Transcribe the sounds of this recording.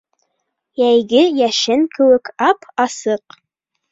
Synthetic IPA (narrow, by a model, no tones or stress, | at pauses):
jæjɡɘjæʃɘŋkɘ̆wɘ̆kɑpɑsɤq